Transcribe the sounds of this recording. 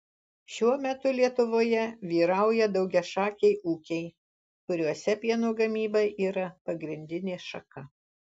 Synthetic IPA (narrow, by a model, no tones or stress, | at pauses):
ʃʲuɔmʲɛt̪ʊlʲiɛt̪ʊʋoːjɛʋʲiːɾɐˑʊjɛd̪ɒʊɡʲɛʃɑːkʲɛɪʔuːkʲɛɪ | kʊɾʲuɔsʲɛpʲiɛnoːɡɐmʲiːbɐʔiːɾɐpɐɡɾʲɪnʲd̪ʲɪnʲeːʃɐkɐ